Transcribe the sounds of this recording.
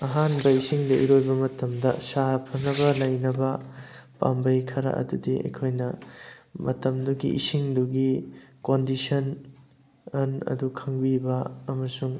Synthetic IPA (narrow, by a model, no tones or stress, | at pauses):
ɐɦanbɐisiŋdɐʔḭɾojbɐmɐtɐmdɐ̰saɾpʰɐnɐbɐlɐjnɐbɐ | pa̰mbɐjkʰɐɾɐ̰ʔɐ̰dudiɐ̰jkʰojnɐ | mɐtɐmduɡḭʔisiŋduɡikondisɐn | ɐnɐ̰dukʰɐŋbibɐːmɐsuŋ